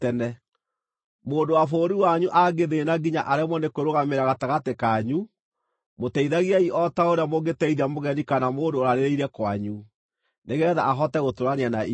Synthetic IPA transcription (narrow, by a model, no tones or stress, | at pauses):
ɛnɛ | moːndowafoːɾiwaɲuʔaɡeðeenaɡiɲa̰ʔaɾɛmwɔnekoɾoɣameɾaɣataɣatekaɲu | motɛiðaɣiaiɔtaoɾeamoɣetɛiðiamoɣɛnikanamoːndoːɾaɾeɾeiɾɛkwaɲu | neɣɛða̰ːɦɔtɛɣotoɾanianai